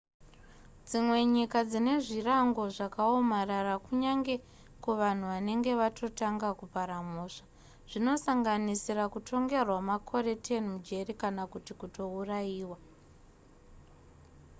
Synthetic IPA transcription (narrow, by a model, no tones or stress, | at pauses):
d͡zimwe̞ɲikad͡zine̞ʐiraŋɡo̞ʐakao̞mararakuɲaŋɡe̞ | kuʋan̤uʋane̞ŋɡe̞ʋatʰo̞taŋɡakupaɾamuːʂa | ʐ̥ino̞saŋɡanisirakutʰo̞ŋɡe̞rwamakʰo̞ɾe̞tenimud͡ʒe̞rikanakutikuto̞urajiːwa